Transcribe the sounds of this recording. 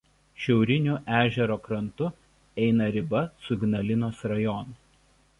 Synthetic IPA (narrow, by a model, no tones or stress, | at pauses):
ʃʲɛʊɾʲɪnʲuʔæːʒʲɛɾoːkɾɐnt̪ʊ | ɛɪnɐɾʲɪbɐsʊɡʲnɐlʲɪnoːsɾɐjɔːn